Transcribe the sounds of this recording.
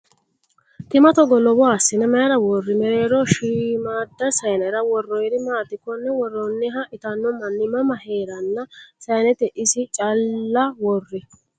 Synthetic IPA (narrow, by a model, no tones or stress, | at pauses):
t̪ɪmɐt̪ɔɡɔlɔbɔasːɪnɛmɐjɾɐwɔrːɪmɛɾe̞ːɾɔʃiːmaːd̪ːɐsɐjnɐɾɐwɔrːɔjɾɪmaːt̪ːɪkːɔnːɛwɔrːɔnːɛɦɐʔɪt̪ɐnːɔmɐnːɪmɐmɐheːɾɐnːɐsɐjnɛt̪ɛʔɪsɪt͡ʃʼɐlːɐwɔrːɪ